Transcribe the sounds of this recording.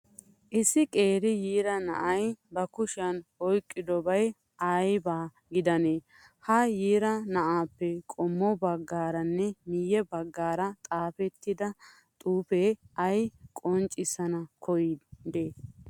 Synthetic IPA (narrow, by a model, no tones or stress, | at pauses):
ʔɪsːɪkʼe̞ːɾɪjiːɾɐnɐ̰ʔɐjbɐkʊʃɐnɔjkʼːɪd̪ɔbɐj | ʔɐjbaː | ɡɪd̪ɐneː | hɐjiːɾɐnɐʔaːpːɛkʼɔmːɔbɐɡːaːɾɐnːɛmɪjːɛbɐɡːaːɾɐt̪ʼaːfɛt̪ːɪd̪ɐ | t̪ʼuːpeːɐjkʼɔnt͡ʃʼɪsɐnɐkʰɔjd̪eː